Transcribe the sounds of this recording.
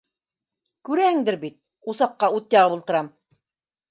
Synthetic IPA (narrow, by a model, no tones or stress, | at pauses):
kʉɾæhɘŋd̪ɘɾbit̪̚ | usɑqqːɑut̪̚jɑʁɤbŭlˠt̪ɤ̆ɾɑm